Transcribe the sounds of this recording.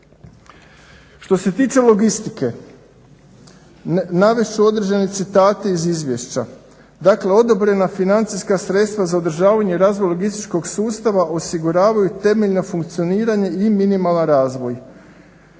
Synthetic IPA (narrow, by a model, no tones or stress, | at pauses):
ʃt̪o̞se̞t̪iːt͡ʃe̞lˠo̞ɡist̪ike̞ | naʋet͡ʃuo̞d̪ɾeʒane̞t̪sit̪aːt̪e̞izizʋje̞ʃt͡ɕa | d̪akle̞o̞d̪o̞bɾe̞nafinant̪sijskasɾe̞t̪st̪ʋazaod̪ɾʒaːʋaɲe̞iɾaːzʋojloɡist̪it͡ʃko̞ɡsuːst̪aʋaʔo̞siɡuɾaːʋajut̪e̞me̞ʎnofuŋkt̪sijo̞niːɾaɲe̞iminimalˠanɾaːzʋo̞j